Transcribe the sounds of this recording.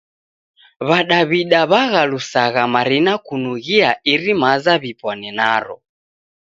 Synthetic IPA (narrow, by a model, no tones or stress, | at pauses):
βaɗaβiɗaβaɣalusaɣamaɾinakunuɣiaʔiɾimazaβipɔnɛnaɾɔ̰